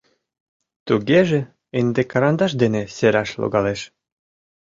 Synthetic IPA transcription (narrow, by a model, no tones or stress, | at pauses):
t̪uɡeʒĕ | end̪ekɑɾɑnd̪ɑʃd̪enĕseɾɑʃlo̰ɣɑleʃ